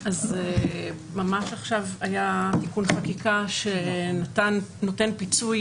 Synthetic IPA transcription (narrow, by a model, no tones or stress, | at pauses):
aze | mamaʃaχʃavajatikunχakikaʃenat̪anːotenpit͡suj